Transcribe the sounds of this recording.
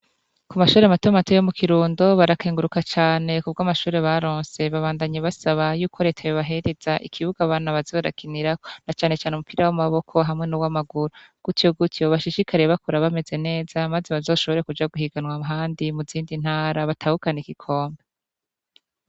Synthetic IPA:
kumaʃuːɾe̞amatoamatojomukʰiɾuːndo̞βaɾakeːŋɡuɾukat͡ʃaːne̞kub̚ɡaːmaʃuːɾe̞βaɾoːnse̞βaβaːndaɲeβasaβajuːkʰo̞ɾe̞ːtʰajoβaɦe̞ɾez̥aʔḭkʰiβuɡaβaːnaβazo̞ːɾa̰kiniɾakonat͡ʃaːne̞t͡ʃaːneumupiːɾawamaβo̞kʰo̞ɦamŋe̞nuwamaɡuɾoɡ̥utjo̞ɡutjo̞βaʃiʃikaɾeβakoɾaβame̞ze̞ne̞ːzamazeβazo̞ʃo̞βo̞ɾe̞kud͡ʒaɡuhiɡanwaɦaːndimuziːndin̥haːɾaβatʰahukanekikʰo̞ːmbe

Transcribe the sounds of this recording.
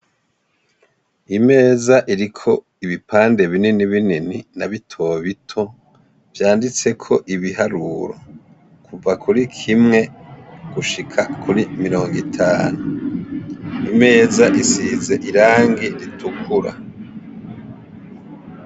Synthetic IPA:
ime̞ːzaʔiɾikʰo̞ | iβipaːnde̞βininiβinininaβitʰo̞βitʰo̞ | v̥jaːndit͡se̞kʰo̞ʔiβihaɾuɾo̞̰ | kuvakuɾikʰimŋe̞ɡ̥uʃikʰakʰuɾimiɾo̞ːŋɡitʰaːnu | ime̞ːzaʔisize̞ʔiɾaːŋɡiɾitʰukʰuɾa̰

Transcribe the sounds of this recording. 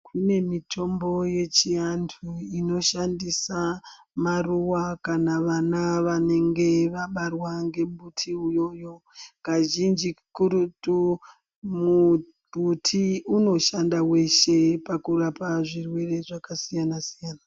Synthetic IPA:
kʰune̞mitʰo̞mbo̞je̞t͡ʃiantʰuino̞ʃandisa | maruwakanaʋanaʋane̞ŋɡe̞ʋaɓarwaŋɡe̞mbutʰiujo̞jo̞ | kaʒind͡ʒikuɾutu | mu | bʱutʰiuno̞ʃandawe̞ʃe̞pakuɾapaʐirwe̞re̞ʐakasijanasijaːna

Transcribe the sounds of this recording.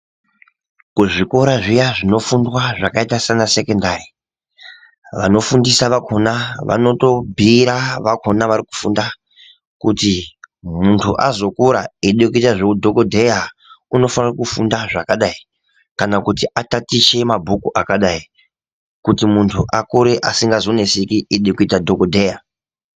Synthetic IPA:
kuʐikoɾaʐijaʐino̞fundwaʐakaitasanase̞kondari | ʋano̞fundisaʋakʰo̞naʋa̰no̞to̞bʱiɾaʋakʰo̞naʋaɾiku̥funda | kutimuntʰṵʔazo̞kuɾaeɗjekuitaʐeudʱo̞kodʱe̞jauno̞fanrakufundaʐakaɗai | kanakutiatatit͡ʃe̞mabʱukuʔakaɗai | kutimuntʰuʔakuɾeʔasiŋɡazo̞nesikieɗekuitadʱokodʱeja

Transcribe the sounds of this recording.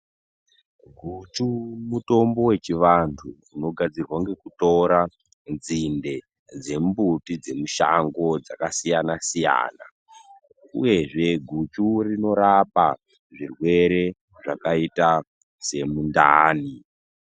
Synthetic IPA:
ɡʱut͡ʃumuto̞mbo̞we̞t͡ʃiʋantʰu | uno̞ɡʱad͡zirwaŋɡe̞kuto̞ɾa | nzinde̞ | d͡ze̞mbutid͡ze̞muʃa̰ŋɡo̞d͡zakasijanasija̰ːna̰ | ṵje̞ʐe̞ɡʱut͡ʃurino̞ɾapa | ʐirwe̞ɾe̞ | ʐakaita | se̞mundaːni

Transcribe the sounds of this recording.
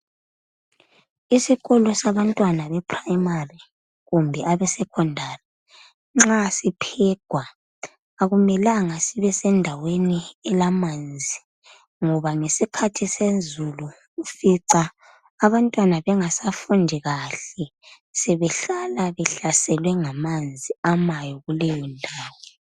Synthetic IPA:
isiɣɔlɔsaβantʼwanaβɛpʰrajimari | ɣumbʱɛʔaβɛsɛkʰɔndʱari | ŋ͡ǁasipʰɛɡ̥ʱwaː | ɣumɛlaŋasiβɛsɛndʱaweniɛlamand͡zʱi | ŋɔβaŋesikʰatʰisenzʱuluː | fiǀa | aβantʼwanaβɛŋasafundʱiɣaɬɛ | sɛβɛɬalaβɛɬasɛlwɛŋamand͡zʱiamajɔɣulɛjɔndʱaːwɔ

